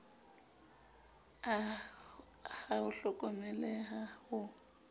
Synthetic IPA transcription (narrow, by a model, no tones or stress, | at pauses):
haʊɬɔkʼɔmɛlɛɦahʊ